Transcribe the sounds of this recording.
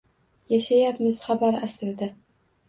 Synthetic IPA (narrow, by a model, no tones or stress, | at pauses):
jaʃajapmɪz̥χabaɾasɾɪd̪a